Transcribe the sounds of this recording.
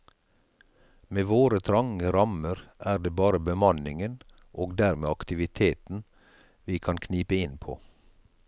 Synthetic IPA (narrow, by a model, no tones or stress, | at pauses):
meːʋoːɾət̪ʰɾɑŋəɾɑməɾʔæːɖeːbɑːɾəbəmɑnɪŋən | ʔoːɡd̪æːɾmeːɑkt̪ɪʋɪt̪ʰeːt̪n̩ | ʋiːkʰɑnkʰniːpəɪnpʰo̰ː